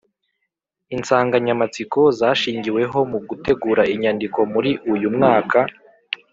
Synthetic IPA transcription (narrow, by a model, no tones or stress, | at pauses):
int͡saːŋɡaɲamat͡siko̞zaːʃiːɲɟiwe̞ɦo̞muɡute̞ɡuːɾaiɲandiko̞muɾiʔujumŋaːka